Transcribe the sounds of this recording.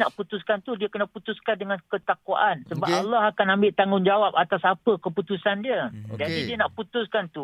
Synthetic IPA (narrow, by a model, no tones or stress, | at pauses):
naʔput̪uskant̪udiəkənaput̪uskandəŋãnkət̪akua̰ʔansəbaalːɔɦakanãmbɪʔt̪aŋʊŋd͡ʒawap̚at̪asapəkəput̪usandiəd͡ʒadidiənaʔput̪ʊskant̪u